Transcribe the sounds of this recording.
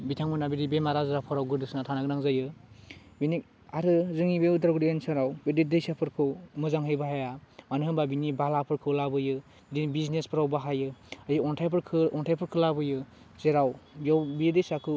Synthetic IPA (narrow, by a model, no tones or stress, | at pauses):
bitʰaŋbɯnabiɾibemaɾazɾapʰɔɾawɡɯɾdɯsnatʰanaɡnaŋzajɯ | binik̚ | aɾɯzɯŋibewdaɾɡɾiensɯɾawbedidejsapʰɯɾkʰɯwmɯzaŋɦɯjbaɦajamanɯɦɯmbabinibalapʰɯɾkʰɯwlabɯjɯ | dibiznespʰɯɾawbaɦajɯajɯɔntʰajpʰɾkʰɯɔntʰajpʰɯɾkʰɯlabɯjɯ | zeɾawjawbidejsakʰɯ